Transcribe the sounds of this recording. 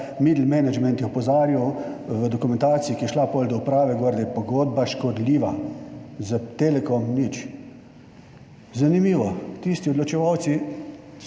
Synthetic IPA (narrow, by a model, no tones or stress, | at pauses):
mid̪l̩mɛnad͡ʒmɛnt̪jɛɔpɔzaːɾjiwʋəd̪ɔkumɛ̃nt̪aːt̪siikijɛʃlapolʲd̪ɔupɾaːʋɛɡoɾd̪ɛpɔɡoːd̪̚baʃkɔd̪liːʋa | zat̪elɛkɔmnit͡ʃ | zanimiːʋɔt̪ist̪iɔd̪lɔt͡ʃɛʋawt̪si